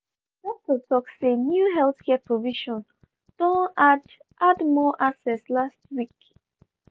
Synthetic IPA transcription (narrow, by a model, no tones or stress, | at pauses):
dɛtotʰɔksenjuɦɛlθkʰɛpʰɹoviʃɔ̃n | d̥õad | ʔadmɔʔasɛslast̚wik